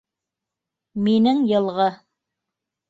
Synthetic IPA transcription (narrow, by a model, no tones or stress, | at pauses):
minɘŋjɤ̆lˠʁɤ